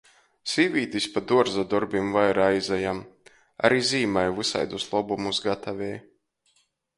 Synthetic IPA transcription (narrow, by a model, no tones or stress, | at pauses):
siːvʲiːd̪ʲisʲpad̪uɔɾzad̪ɔɾbʲimvajɾajzajam | a̰ɾiziːmajvɨsa̰jd̪uslˠɔbumusɡat̪ʰavʲɛː